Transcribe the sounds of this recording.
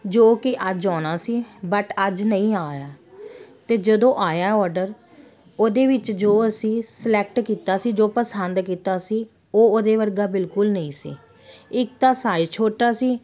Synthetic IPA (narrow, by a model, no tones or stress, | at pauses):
d͡ʒoːkɪʔəd͡ʒɔːnaːsiːbəʈəd͡ʒnəĩːaːjaːt̪eːd͡ʒəd̪õːʔaːjaːɔːɾɖəɾ | oːd̪eːʋɪt͡ʃd͡ʒoːəsĩːsəlɛːk̚ʈkiːt̪aːsiːd͡ʒoːpəsənd̪kiːt̪aːsiː | oːoːd̪eːʋəɾɡaːbɪlkʊlnəĩːsḭː | ɪk̚t̪aːsaːɪd͡ʒt͡ʃʰoːʈaːsiː